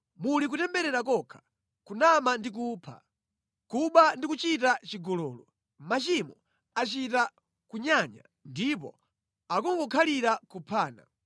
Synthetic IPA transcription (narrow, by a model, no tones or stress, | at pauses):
mulik̬utɛmbɛɾɛɾakɔkʰḁ | kunamandik̬upʰa̰ | kuɓandikut͡ʃit̬at͡ʃiɡɔlɔːlɔ | mat͡ʃimɔ | at͡ʃita | kuɲaɲa̰ | ndip̬ɔ̰ | akɔŋɡɔkʰaliɾakupʰaːna̰